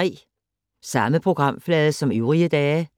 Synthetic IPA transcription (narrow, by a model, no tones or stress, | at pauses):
ḭː | sɑməpʰʁʊɡ̥ʁɑmflɛːðˠəsɒ̽myːʁiəd̪̥ɛː